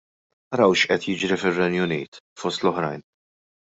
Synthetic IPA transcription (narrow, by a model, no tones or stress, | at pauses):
ɐɾɐwʃʔɛt̪jɪd͡ʒɾifɪrːɛnjʊniːt̪fɔst̪lɔħɾɐ̰jn